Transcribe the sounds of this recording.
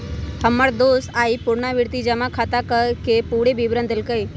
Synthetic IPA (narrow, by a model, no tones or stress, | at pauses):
həmːəɽd̪oːsaːipʊɾɳaʋɪɾt̪id͡ʒamãkʰat̪akəkepuɽebiʋɾə̃nd̪əlkəi